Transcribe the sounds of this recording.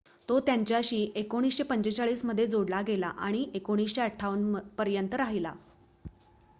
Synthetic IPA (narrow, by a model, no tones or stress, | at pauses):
t̪ot̪jaɲt͡ɕjaɕiːʔekoɽ̃iːsɕepəɲt͡ɕet͡saɭiːsməd̪ʱːjed͡zoɽlaɡela̰ʔa̰ɽ̃iʔekoɽ̃iːsɕeəʈʰːaʋənpəɾjənt̪əɾaɦila̰